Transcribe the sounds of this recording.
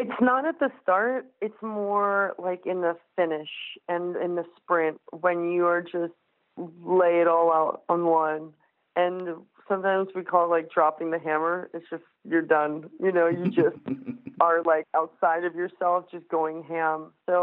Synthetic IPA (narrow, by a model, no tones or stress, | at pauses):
ɨtsnəɾɨt̪̚ðɨstɑɹt̚ɨtsmɔɹlaɪkɨ̃nðəfɪnɪʃɨ̃nɪ̃nðɨspɹɪ̃nt̚wɨ̃njɨə˞d͡ʒʌst̚ | leɪɨɾɔlˠaʊɾn̩wʌ̃n | ʔɨ̃n | sʌ̃mtʰãɪ̃mzwikʰɔlˠlaɪk̚d̥ɹɑpɪ̃ŋðɨɦæ̃mə˞ɨtsd̥ʒ̥ʌstjə˞dʌ̃njɨnoʊjɨd͡ʒʌst̚ə˞laɪkaʊtsaɪɾʌvjə˞sɛlˠfd̥ʒ̥ʌsɡ̥oʊɪ̃ŋɦæ̃msoʊ